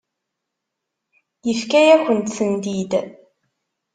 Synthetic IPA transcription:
jəfkæjækʷənt̪θənd̪id̪

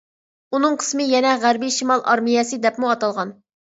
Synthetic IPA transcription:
unɨŋqʰə̥smɨjɛnɛʁæɾbiʃimɑlˠʔɑɾmijɛsɨd̪ɛpmuɑt̪ɑlˠʁɑn

